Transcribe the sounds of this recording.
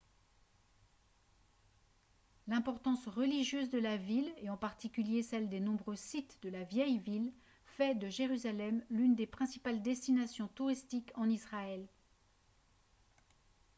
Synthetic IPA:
lɛ̃pɔʁt̪ɑ̃sʁəliʒjøzd̪əlavileɑ̃paʁt̪ikʲyljesɛld̪enɔ̃bʁøsit̪d̪əlavjɛjvil | fɛd̪əʒeʁyzalɛmlynd̪epχɛ̃si̥pald̪ɛst̪inasjɔ̃t̪uʁist̪ikʰɑ̃nisχaɛl

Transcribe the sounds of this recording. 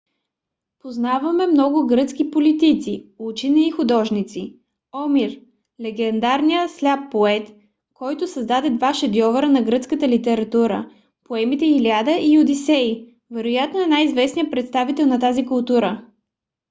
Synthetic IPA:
poznavɐmɛmnɔɡʊɡɾɤt̪skipolit̪it̪siut͡ʃinɛːxʊd̪ɔʒnit̪si | ɔmiɾ | lɛɡɛnd̪aɾnijəslʲapːoɛt̪ | kɔjt̪ʊsɐzd̪ad̪ɛd̪vaʃɛd̪jɔvɐɾənɐɡɾɤt̪skət̪əlit̪ɛɾɐt̪uɾə̰ | poɛmit̪ɛxilʲad̪əʔijʊd̪isɛi | vɛɾojat̪noɛnaizvɛsnijəpɾɛt̪st̪avit̪ɛlˠnɐt̪azikʊlˠt̪uɾə

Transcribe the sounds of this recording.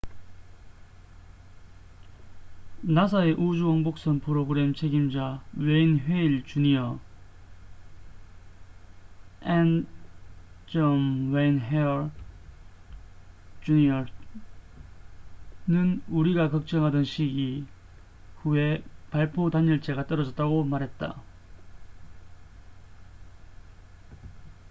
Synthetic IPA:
nasʰae̞ʔud͡ʑuwʌŋbok̚s͈ʌnpʰɯɾoɡɯɾe̞mt͡ɕʰe̞ɡimd͡ʑaweinɦweiɭt͡ɕuniʌ | en | t͡ɕʌmwejnɦeɾ | t͡ɕuɲiʌ | nɯnuɾiɡakʌk̚t͡ɕ͈ʌŋɦadʌnɕʰiɡi | hue̞paɭpʰotaɲʌɭt͡ɕ͈e̞ɡat͈ʌɾʌd͡ʑʌt̚t͈aɡomaɾɦe̞t̚t͈a̰

